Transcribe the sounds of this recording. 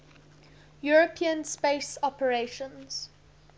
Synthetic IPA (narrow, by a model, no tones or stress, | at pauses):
juɹəpʰĩə̃nspesɔpəɹeʃə̃nz̥